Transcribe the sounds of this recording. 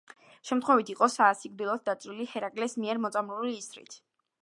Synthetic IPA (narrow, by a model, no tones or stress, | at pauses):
ʃɛmt̪χwɛvit̪ʰiqʼɔsaːsiɡ̚d̪ilˠɔt̪̚d̪at̪sʼɾilihɛɾakʼlɛsmiɛɾmɔt̪sʼamɾuliːsɾḭt̪ʰ